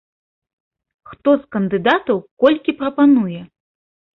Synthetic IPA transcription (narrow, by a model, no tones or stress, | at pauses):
xt̪ɔskɐnd̪ɨd̪at̪ɐwkɔlʲkʲipɾɐpanujɛ